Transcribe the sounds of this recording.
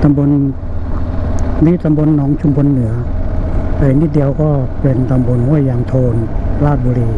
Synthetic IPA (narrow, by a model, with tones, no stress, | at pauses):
t̪a˧mbo˧n | niː˧˥˨t̪a˧mbo˧˨nːɔː˨˦˥ŋt͡ɕʰu˧mkʰo˧nːɯ˩˦ɐ | pa˧˩ni˧˥t̪̚di˧əwkɔː˥˩pe˧nt̪a˧mbo˧nhu˥˩əjːaː˧ŋt̪ʰoː˧nlaː˥˩t̪̚buː˧ɾiː˧